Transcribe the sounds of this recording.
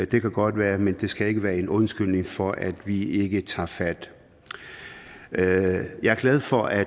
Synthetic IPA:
d̥e̝kʰæɡ̥ɒ̽d̥ʋæːɐmend̥e̝sɡ̥æe̝ɡ̥əʋæːɐe̝nɔ̽nsɡ̥yl̰ne̝ŋfɒʔæd̥ʋie̝ɡ̥ət͡sʰɑ̰̈ːfæd̥ | jɑ̈ɪæɐɡ̥lɛð̞̩ˠfɒ̽ʔæ

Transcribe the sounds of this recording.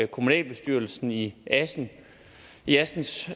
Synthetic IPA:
kʰo̝munɛ̰ːlb̥e̝sd̥yɐl̩sn̩in | iæsn̩s

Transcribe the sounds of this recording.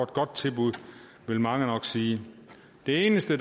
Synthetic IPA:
ed̥̚ɡ̥ɒ̽d̥̚t͡sʰe̝lb̥uð̰ˠ | ʋe̝lmɑ̈ŋənɒ̽ɡ̥siː | d̥e̝e̝ːnəsd̥əd̥

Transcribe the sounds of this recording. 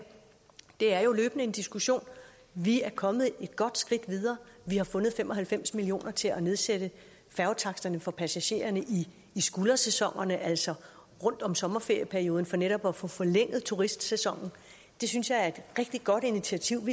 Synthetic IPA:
d̥e̝æɐjo̝løːb̥ənəe̝nd̥isɡ̥uɕo̝̰ːn | ʋiæɐkʰɒ̽mð̞̩ˠe̝d̥ɡ̥ɒ̽d̥sɡ̥ʁid̥ʋið̞ˠɐːʋihɑ̈fɔ̽nð̞̩ˠfemʔɒ̽ɦælfem̰smilio̝̰ːnɐt͡sʰe̝læne̝ð̞ˠsed̥ə | fæʊt͡sʰɑ̈ɡ̥d̥ɐnəfɒ̽pʰæsæɕe̝̰ːɐnəʔiː | sɡ̥ulɐsesɒ̽ŋ̰ɐnəʔæl̰sɒ̽ | ʁɔ̽n̰d̥ɒ̽msɒ̽mɐfe̝ɐjəpʰæɐio̝ːðˠn̩fɒ̽neɾ̥ɒ̽b̥ɒfɔ̽ːfɒ̽leŋ̰ð̞̩ˠt͡sʰuʁisd̥sesɒ̽ŋ̰n̩ | d̥e̝synsjɑ̈ɪæɐe̝d̥ʁɛɡ̥̚d̥id̚ɡ̥ɒ̽d̥init͡sʰiæt͡sʰiʊ̰ʋi

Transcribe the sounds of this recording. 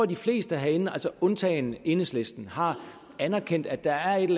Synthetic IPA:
ɒ̰d̥ifle̝̰ːsd̥əæɦæenælsəɔ̽nt͡sʰɛ̰ːɪne̝nəsle̝sd̥n̩hɑ̈ | ænæɐkʰen̰d̥æ̥ɑ̈æɐe̝ɾl

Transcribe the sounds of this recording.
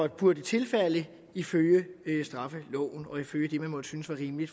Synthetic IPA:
ɒd̥b̥uɐd̥et͡sʰe̝lfæl̰ə | iføljəøsd̥ʁɑ̈fəlɔʊ̰n̩ɒ̽iføljəd̥e̝mænmɒ̽d̥əsynəsʋɑ̈ʁiːmlid̥

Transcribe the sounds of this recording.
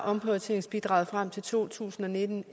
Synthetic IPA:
ʔɒ̽mpʰøðt͡sʰe̝ŋsb̥id̥ʁɑ̰̈ːʊð̩ˠfʁam̰t͡sʰe̝lt͡sʰo̝̰ːt͡sʰṵːsn̩ɒ̽ne̝d̥n̩

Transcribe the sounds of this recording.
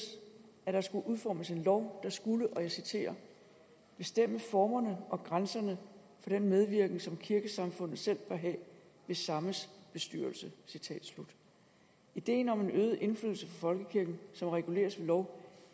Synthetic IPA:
æɾ̥ɑ̈sɡ̥uʔuðˠfɒ̰ːməse̝nlɒʊd̥ɑ̈sɡ̥uləʔɒ̽jɑ̈sit͡sʰe̝̰ːɐ | b̥e̝sd̥em̰əfɒːmɐnəʔɒ̽ɡ̥ʁansɐnə | fɒ̽d̥enmeð̞ˠʋiɐɡ̥nŋsɒ̽mkʰiɐɡ̥əsɑ̈mfɔ̽n̰ð̩ˠsel̰b̥ɐɦɛ̰ːʋe̝sɑ̈məsb̥e̝sd̥yɐlsəsit͡sʰɛ̰ːd̥slud̥ | id̥e̝̰ːn̩ɒ̽me̝nøːð̞̩ˠʔe̝nfly̰ðˠl̩səfɒ̽fɒ̽lɡ̥əkʰiɐɡ̥n̩sɒ̽mʁɛɡ̥ule̝̰ːɐsʋe̝lɒʊ

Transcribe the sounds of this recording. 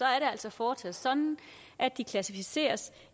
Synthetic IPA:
ɒ̽æɐɾeæl̰sɒ̽fɒːt͡sʰɛð̩̰ˠsɒ̽nn̩ | ʔæ̥ikʰlæsifise̝̰ːɐs

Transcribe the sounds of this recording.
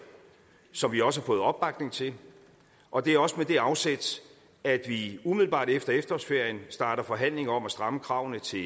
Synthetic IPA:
sɒ̽mʋiɒ̽səhɑ̈fɔ̽ːð̞̩ˠɒ̽b̥ːɑ̈ɡ̥ne̝ŋt͡sʰe̝l | ʔɒ̽d̥e̝æɐɒ̽səmed̥e̝ɑ̈ʊsed̥s | æd̥ʋiumiðˠl̩b̥ɑ̰̈ːd̥efd̥ɐefd̥ɐɒsfe̝ɐ̰jənsd̥ɑ̈ːɾ̥ɐfɒ̽ɦæn̰le̝ŋɐɒ̽mæsd̥ʁɑ̈məkʰʁɑ̈ʊ̰nət͡sʰe̝

